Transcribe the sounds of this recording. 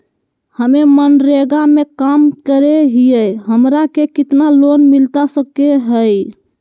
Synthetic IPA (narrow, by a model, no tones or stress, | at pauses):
həmemənɾeɡamekamkəɾeɦijəɦəmɾakekit̪nalonmilt̪asəkːeɦəj